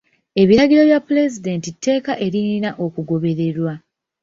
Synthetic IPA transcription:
e̞βiɾaɡiɾo̞βjapːule̞zide̞ːntitːe̞ːkaʔe̞ɾininaʔo̞kuɡo̞βe̞ɾe̞ɾwa

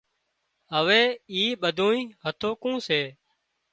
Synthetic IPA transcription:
ɦəʋeːiːɓəd̪ʱõːĩːɦət̪ʰoːkũːseː

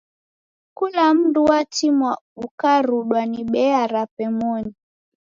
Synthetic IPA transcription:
kulam̩nduwatimwa | ukaɾuɗwaniɓɛaɾapɛmɔɲi

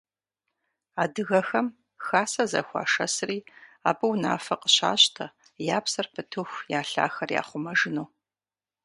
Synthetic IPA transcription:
aːdɨɣɐxɐm | xaːsɐzɐ̰xʷa̰ːʂɐsriːaːbɨwna̰ːfɐqəɕa̰ːɕtʰɐ | jaːpsɐrpʰɨtʰuxʷjaːɬa̰ːxɐrja̰ːχʷʊmɐʒɨnuː

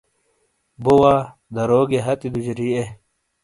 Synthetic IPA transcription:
bowaː | d̪ɐɾoːɡeɦɐt̪id̪ud͡ʑɾie

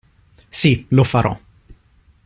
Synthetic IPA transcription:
silɔfaɾʔɔ̰

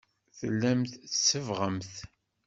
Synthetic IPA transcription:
θə̰lːæmθθsəvʁəmθ

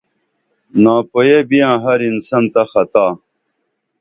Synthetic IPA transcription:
nãːpojebijãːɦɐɾinsɐnt̪ɐxɐt̪aː

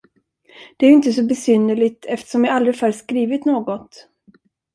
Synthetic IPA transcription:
d̪̥ɛæɾɪnt̪əsɔbɛsʏnːəɭɪɡ̚t̪ʰɛft̪ə̥ʂɔmjaalɾəfœːɾskɾiːvɪt̪noːɡɔt̪

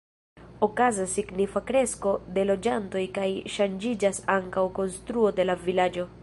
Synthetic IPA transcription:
okazasiɡnifakɾe̞sko̞de̞lo̞d͡ʒanto̞jkajʃand͡ʒid͡ʒasaŋkawko̞nstɾuo̞de̞lavilad͡ʒo̞

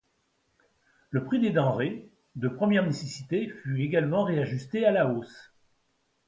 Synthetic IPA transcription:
ləpχid̪ed̪ɑ̃ʁe | d̪əpχəmjɛʁnesesit̪efyeɡalmɑ̃ʁeaʒyst̪ealaos

